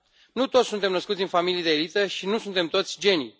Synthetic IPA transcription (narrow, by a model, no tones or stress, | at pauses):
nut̪ot̪sʲsunt̪e̞mnəskut̪sʲɨnfamilijd̪eːlit̪əʃinusunt̪e̞mt̪o̞t̪sʲd͡ʒe̞ni